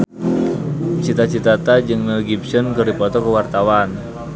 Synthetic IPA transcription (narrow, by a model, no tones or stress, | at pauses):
t͡ʃit̪at͡ʃit̪at̪ad͡ʒɨŋnəlɡibsənkɨrdipɔt̪ɔkəwart̪awan